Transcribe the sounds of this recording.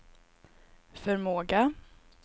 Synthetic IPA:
fœɾmoːɡa

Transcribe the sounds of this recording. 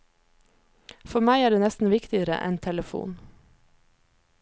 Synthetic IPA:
fɔmæɪæːɖeːnɛst̪n̩ʋɪkt̪ɪəɾə̰ʔɛ̰nt̪ʰɛləfṵːn

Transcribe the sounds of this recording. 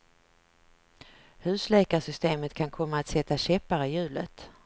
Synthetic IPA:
hʉ̟ːslɛːkaʂʏst̪eːmət̪kʰankʰɔmːaːt̪sɛt̪ːaɕɛpːaɾəjʉ̟ːlə̰t̪

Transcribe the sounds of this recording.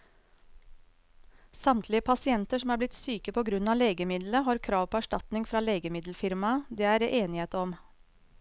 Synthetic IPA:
sɑmt̪ʰlɪəpʰɑsɪɛnt̪əʂɔmæːblɪt̪syːkəpʰoːɡɾʉnɑːleːɡəmɪd̪ləɦɑːɾkʰɾɑːʋpʰoːæʂʈɑt̪nɪŋfɾɑːleːɡəmɪd̪l̩fɪɾmɑd̪eːæːɾeʔeːnɪheːt̪əɔm

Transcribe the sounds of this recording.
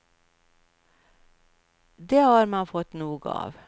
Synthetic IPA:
d̪eːhɑːɾmɑːfɔt̪nuːɡəɑ̰ːʋ

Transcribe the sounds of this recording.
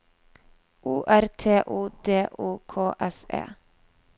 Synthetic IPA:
ʔuːʔæɾt̪ʰeːʔuːd̪eːʔuːkʰoːʔɛsḛː

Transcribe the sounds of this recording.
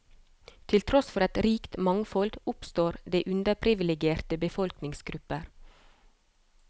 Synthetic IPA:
t̪ʰɪlt̪ʰɾɔsfɔɾɑt̪ɾiːkt̪mɑŋfɔld̪ʊpst̪oːɾd̪eːʔʉnd̪əpʰɾɪʋɪlɛɡɪeːɾt̪əbəfɔlknɪŋsɡɾʉpəɾ

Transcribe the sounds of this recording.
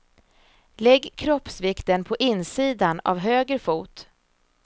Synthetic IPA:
lɛɡːkʰɾɔpsvɪkt̪ənpʰɔʔɪnsiːd̪ana̰vɦøːɡɾfuːt̪

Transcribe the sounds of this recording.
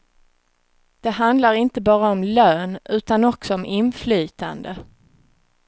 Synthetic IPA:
d̪̥ɛɦand̪laɾɪnt̪əbɑːɾaɔmløːnʉ̟ːt̪anɔksɔɔmʔɪnflyːt̪a̰nd̪ə

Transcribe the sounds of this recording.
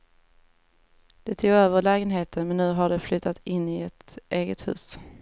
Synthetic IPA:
d̪̥ɛt̪ʰuːɡøːvəɾlɛːɡənɦeːt̪ʰənmɛnːʉ̟ːɦaɖɛflʏt̪ʰːat̪ɪnːɪɛt̪ʔeːɡət̪hʉ̟̰ːs

